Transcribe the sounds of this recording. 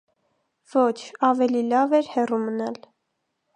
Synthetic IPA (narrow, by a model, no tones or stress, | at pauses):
vɔt͡ʃʰɑvɛlilɑvɛɾhɛrumənɑl